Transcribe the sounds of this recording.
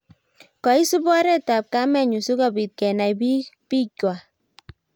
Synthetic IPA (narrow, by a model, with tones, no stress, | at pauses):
kɔ˨i˦su˦bɔ˦ɾɛ˦ta˨p̚ka˦mɛ˦ɲu˨su˦kɔ˨bi˨t̚kɛ˨na˨jbi˦pi˦kwa˨